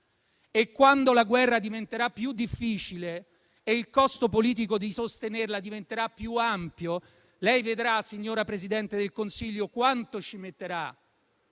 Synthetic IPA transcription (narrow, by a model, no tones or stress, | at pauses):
ekːwand̪olaɡwɛrːad̪ivent̪eɾapːjud̪ːifːiːt͡ʃile | eilkɔst̪opoliːt̪̬ikod̪isost̪enerlad̪ivent̪eɾapːjuampjo | lɛjved̪ɾasːiɲːoːɾapɾezid̪ɛnt̪ed̪elkonsiʎːokwant̪ot͡ʃimet̪ːeɾa